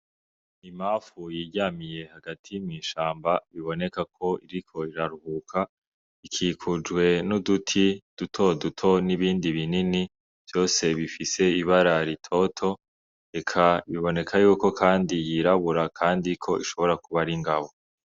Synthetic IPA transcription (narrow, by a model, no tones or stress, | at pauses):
imaːfujiɟaːmije̞haɡatʰijumŋiːʃaːmbaβiβo̞ne̞kakʰo̞iɾikʰo̞iɾaɾuhuːkʰa | ikʰiːkʰud͡ʒɡwe̞nudutʰid̥utʰo̞dutʰo̞niβiːndiβinini | v̥jo̞ːse̞βifise̞iβaɾaɾitʰo̞tʰo̞ | ɾe̞kʰaβiβo̞ne̞kʰajuːko̞kʰaːndijiɾaβuɾakʰaːndikʰo̞ʔiʃo̞βo̞ɾakuβaɾiŋɡaβo̞